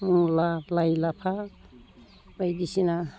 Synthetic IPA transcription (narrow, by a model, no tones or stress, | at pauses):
mulalajlapʰa | bəjd̪isina